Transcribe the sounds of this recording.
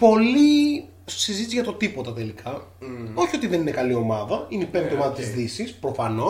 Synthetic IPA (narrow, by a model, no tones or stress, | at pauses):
po̞li | sizit̪izʝɐt̪o̞t̪ipo̞t̪ɐt̪e̞likʰɐ | o̞çio̞t̪iðe̞ninekɐlio̞mɐðɐineipeno̞mɐðɐt̪izðisispɾo̞fɐno̞